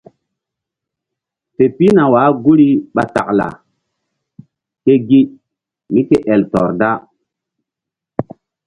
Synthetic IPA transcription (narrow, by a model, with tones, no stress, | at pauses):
se˨pi˦na˨waː˨˦ɡu˦ɾi˦ɓa˦ta̰˨kla̰˨ | ke˦ɡi˦ | mi˦ke˦ʔɛ˨ltɔ̰˨ɾda˦